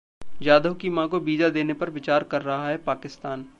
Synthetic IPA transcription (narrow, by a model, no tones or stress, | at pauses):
d͡ʒaːd̪əɦkimãkobiːd͡ʒad̪eːnepɐɾʋɪt͡ʃaːɾkɐɾːɐɦaɦɛpaːkɪst̪aːn